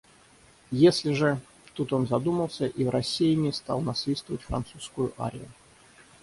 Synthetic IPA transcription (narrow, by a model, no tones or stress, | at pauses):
jesʲlʲɪʐɨ | t̪ut̪o̞nzɐd̪uməlˠsʲəʔivɾɐsʲːijɪnʲɪst̪ɑ̰lˠnɐsvʲist̪vəvətʲfɾɐ̰nt̪suskʊjʊʔa̰ɾʲɪ̰jʊ̰